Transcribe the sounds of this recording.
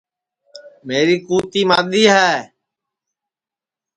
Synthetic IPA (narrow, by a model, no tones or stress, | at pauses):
meːɾiːkuːt̪iːmaːɗ̪iːɦɛː